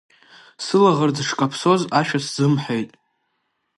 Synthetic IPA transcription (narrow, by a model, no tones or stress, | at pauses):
sɨlaʁərd͡zʂkʼapʰso̞zaʃᶣaszɨmħʷejtʼ